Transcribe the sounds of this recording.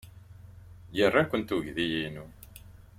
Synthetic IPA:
jərˤːakʷːənt̪uʝðijinu

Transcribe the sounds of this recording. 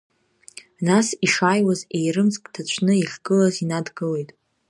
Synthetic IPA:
nasiʂaːjwaze̞jrɨmt͡sʼkʼtʰat͡ɕʷʰnɨiχʲɡɨlazinadɡɨle̞jtʼ

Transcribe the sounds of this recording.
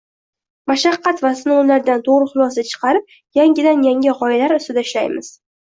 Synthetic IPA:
maʃɑqːɑt̪vasɪnolaɾd̪ant̪ʰoʁɾɪχʊlˠɒsat͡ʃʰɨ̥qʰɑɾɪp̚ | jaŋɡʲɪd̪anjaŋʲɪʁɒɪlaɾʊst̪ɪd̪aɪʃlajmɪz̥

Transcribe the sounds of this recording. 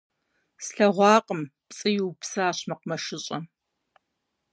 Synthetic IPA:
sɬɐʁʷɑːqʼəmpt͡sʼɨjuwpsaːɕmɐqmɐʃɪɕʼɐ

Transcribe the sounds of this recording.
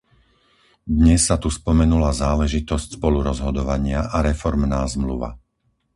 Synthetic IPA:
d̪ɲɛsːat̪uspɔmɛnulazaːlɛʒit̪ɔscspɔluɾɔzɦɔd̪ɔʋaɲɪaʔaɾɛfɔɾmnaːzmluʋa̰

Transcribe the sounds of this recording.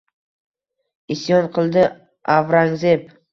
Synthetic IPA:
ɪsjɒnqʰɨlˠd̪ɪ | avɾaŋzep

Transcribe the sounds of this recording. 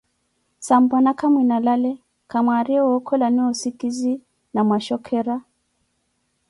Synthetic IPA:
sambɔnakamwinalalɛ | kamaɾiɔɔkʰɔlaniɔsikizi | namwaʃɔkʰɛɾa

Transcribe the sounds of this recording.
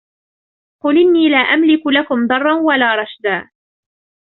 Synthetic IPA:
qʊlʔɪnːiːlaːʔamlɪkʊlakʊmd̪ˤɑrˤːɑnwalaːɾˤɑʃd̪aː

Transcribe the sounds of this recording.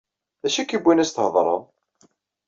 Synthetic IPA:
ðæʃikːibʷːinæst̪əhəðˤɾˤə̰ð

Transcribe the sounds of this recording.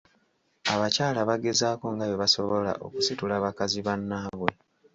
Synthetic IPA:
aβacaːlaβaɡe̞zaːko̞ŋɡajoβaso̞βo̞la̰ʔo̞̰ku̥situlaβakaziβanːaβwe̞

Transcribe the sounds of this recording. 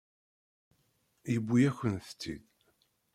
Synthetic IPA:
jəbʷːijæçənθə̥t͡sːḭð

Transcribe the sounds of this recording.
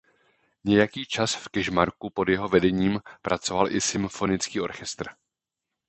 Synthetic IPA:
ɲɛjakiːt͡ʃasfkɛʒmaɾkupo̞djɛɦo̞vɛdɛɲiːmpɾat͡so̞valʔɪsɪmfo̞nɪt͡skiːʔo̞ɾxɛst̪r̩

